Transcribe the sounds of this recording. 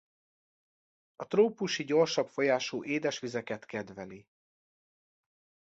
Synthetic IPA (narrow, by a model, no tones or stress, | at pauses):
ɒt̪roːpuʃiɟo̞rʃɒpfo̞jaːʃoːʔeːd̪ɛʃʋizɛkɛt̪kɛd̪vɛli